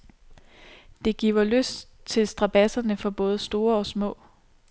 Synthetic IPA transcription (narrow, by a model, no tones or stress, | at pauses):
d̥e̝ɡ̥ḭʊɐløsd̥t͡sʰe̝lsd̥ʁɑ̈b̥æsɐnəfɒ̽b̥ɔ̽ːð̞̩ˠsd̥o̝ːɐɒ̽smɔ̰̽ː